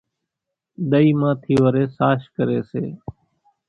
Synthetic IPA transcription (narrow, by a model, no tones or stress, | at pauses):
ɗ̪əiːmãːt̪ʰiːʋəɾeːsaːʃkəɾeːseː